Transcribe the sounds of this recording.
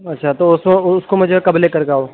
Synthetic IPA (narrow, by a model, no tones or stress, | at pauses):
ɐtːʃʰat̪oʊsmeʊskomɛ̃d͡ʒkɐbleːkəɾkaːoː